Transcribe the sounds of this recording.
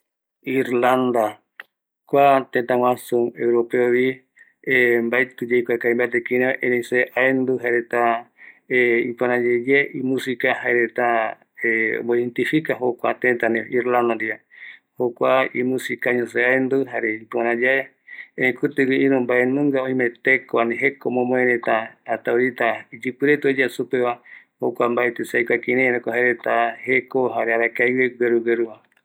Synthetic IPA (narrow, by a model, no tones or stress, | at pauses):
iɾland̪a | kʷat̪ẽt̪aŋʷasuŋewɾopeoβi | embajt̪ud͡ʒeikʷakaimbat̪ekinẽʔenẽseʔaend̪uɦaɾet̪a | eipanãd͡ʒed͡ʒeʔimũsikahaeɾet̪a | eboent̪ifikaɦokʷat̪ẽt̪anẽʔiɾland̪aɾiahokʷaimũsikaɲõseaend̪uɦaɾepaɾãd͡ʒae | eɾẽkut̪ɨɡɨiɾũmbaenũŋɡaoĩmẽt̪ekoanĩɦekomõmõeɾet̪aːt̪awɾit̪aid͡ʒɨpɨɾet̪od͡ʒasupeβa | okʷambaet̪esajkʷakiɾẽɾẽkoɦaeɾet̪ahekoɦaɾeaɾakajweɡeɾuɡeɾuβa